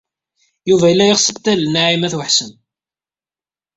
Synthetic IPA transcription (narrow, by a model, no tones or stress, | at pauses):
juvæjəlːæjəʁsˤəbt̪ːælnaʕimæθwəħsəm